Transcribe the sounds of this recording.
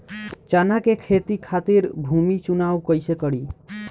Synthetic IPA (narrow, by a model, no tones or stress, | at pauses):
t͡ʃanakekʰet̪ikʰat̪iɾbʱumit͡ʃunawkəjsekəɽi